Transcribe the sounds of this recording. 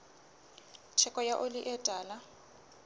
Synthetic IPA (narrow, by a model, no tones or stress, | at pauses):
t͡ʃʰɛkʼɔjaʔoliʔɛtʼaːla